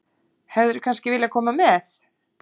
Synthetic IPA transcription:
hɛvðʏɾʏkʰanscɪvɪːljakʰɔːmamɛθ

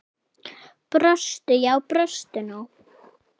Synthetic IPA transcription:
pɾœst̪ʏjawpɾœst̪ɪnʊ

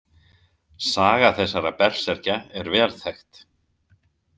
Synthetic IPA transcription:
saːɣaθɛsːaɾapɛr̥sɛɾ̥caɛɾvɛːlθɛjxt̪

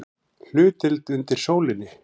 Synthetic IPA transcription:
l̥ʏːt̪ɪlt̪ʏnt̪ɪɾ̥soːwlɪnːɪ

